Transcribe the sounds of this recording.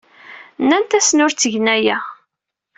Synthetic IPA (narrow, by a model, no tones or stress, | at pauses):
nːænt̪æsnʊɾt͡sːəʝnæjæ